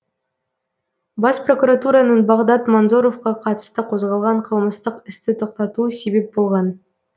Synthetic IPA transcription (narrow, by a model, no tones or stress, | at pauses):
bɑspro̞kuɾat̪uɾɑnəɴbɑʁd̪ɑt̪monzo̞ɾo̞fqɑqʰɑt̪ə̥st̪əqʰo̞zʁɑlˠʁɑɴqʰəlˠməst̪əqɪst̪ɪt̪ʰo̞qt̪ɑt̪uəse̞be̞p̚bo̞lˠʁɑn